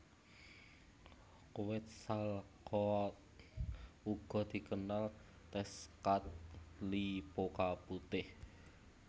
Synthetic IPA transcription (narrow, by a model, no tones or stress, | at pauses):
kuwɪt̪̚salkɔ | uɡ̥ɔ̤d̪̥i̤kənal | t̪ɛskat̪̚lipokaput̪ɪh